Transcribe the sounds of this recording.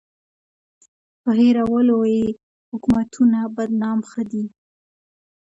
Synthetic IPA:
pəɦeɾawəloje | hʊkumat̪ʰunabad̪nɑmxəd̪i

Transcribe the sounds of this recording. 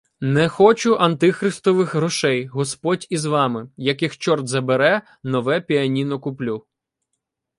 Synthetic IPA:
nɛxɔt͡ʃʊʔɐnt̪ɪxɾɪst̪ɔʋɪxɾɔʃɛjɦɔspɔdʲizʋɑmɪjɐkɪxt͡ʃɔrd̪zɐbeɾɛ | nɔʋɛpʲiɐnʲinɔkʊplʲu

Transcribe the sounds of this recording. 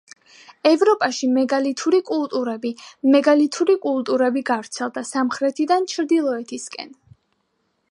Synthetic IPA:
ɛvɾɔpʼaʃimɛɡalit̪ʰuɾikʼulˠt̪ʼuɾɛbimɛɡalit̪ʰuɾikʼulˠt̪ʼuɾɛbiɡavɾt̪sʰɛlˠd̪asamχɾɛt̪ʰid̪ant͡ʃʰɾd̪ilˠɔɛt̪ʰiskʼɛ̰n

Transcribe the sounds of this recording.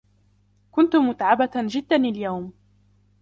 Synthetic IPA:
kʊnt̪ʊmʊt̪ʕabad͡ʒɪd̪ːanaljawm

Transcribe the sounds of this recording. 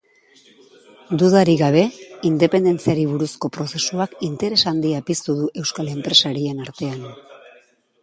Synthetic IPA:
d̪uðaɾiɣaβ̞e̞ind̪e̞pe̞nd̪e̞nt͡siaɾiβuɾusko̞pɾo̞se̞suakint̪e̞ɾe̞sand̪iapist̪uðuʔe̞wskale̞mpɾe̞saɾie̞naɾt̪e̞an

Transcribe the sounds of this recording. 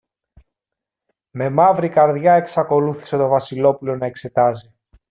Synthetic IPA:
me̞mɐvɾikɐɾðʝɐe̞ksɐko̞luθi̥se̞t̪o̞vɐsilo̞pulo̞nɐe̞kse̞t̪ɐzi

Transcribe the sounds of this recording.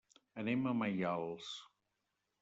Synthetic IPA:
əneməmajalˠs

